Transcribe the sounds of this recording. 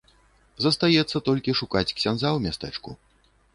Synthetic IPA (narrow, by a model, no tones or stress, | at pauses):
zɐst̪ajɛt̪sːɐt̪ɔlʲkʲiʂukat͡sʲksʲanzawmʲast̪ɛt͡ʂkṵ